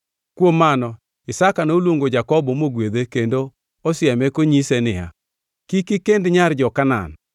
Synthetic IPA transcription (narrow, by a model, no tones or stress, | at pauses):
kwomanɔ | ɪsakanolwoŋɡod͡ʒakɔbɔmoɡwed̪ekendo | ɔsɪɛmɛkoɲisenɪja̰ | kikɪkendɲard͡ʒɔkana̰n